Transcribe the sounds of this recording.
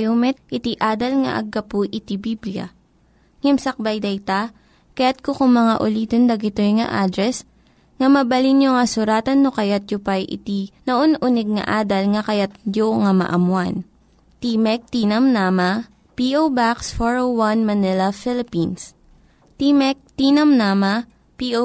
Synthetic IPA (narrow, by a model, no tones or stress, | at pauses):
jomɛt̪̚ʔɪt̪iʔaːd̪ɐlŋɐ̰ʔɐ̰ɡːɐpuʔɪt̪ibibljɐ̰ | ŋɐmsɐk̚bajd̪ɐjt̪a | kɐjat̪̚kokʊŋmɐŋaʔʊliːt̪ond̪ɐɡɪt̪ojŋɐ̰ʔaːd̪ɾɛs | ŋɐmɐbɐlinjoŋɐsʊɾaːt̪ɐnːokɐjat̪̚jʊpajʔɪ̰t̪inɐʔonʔʊnɛɡ̚nɐ̰ʔaːd̪ɐlŋɐkɐjat̪̚joŋɐmɐ̰ʔɐmwan | t̪imɛk̚t̪inɐmnamɐ | piʔowbaksfoɹowwɐnmɐnɪlɐfɪlɪpins | t̪imɛk̚t̪inɐmnaːmɐ | piʔo